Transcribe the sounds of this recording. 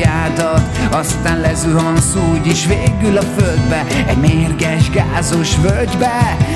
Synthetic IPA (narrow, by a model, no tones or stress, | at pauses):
aːd̪ɒ | ɒst̪aːnlɛzyɒnsuːɟiʃveːɡylɒføld̪bɛ | ɛmeːrɡɛʒɡaːzo̞ʃvøld̪bɛ